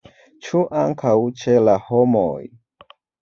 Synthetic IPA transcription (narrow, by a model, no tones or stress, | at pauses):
t͡ʃuʔaŋkʰawt͡ʃelahomo̰j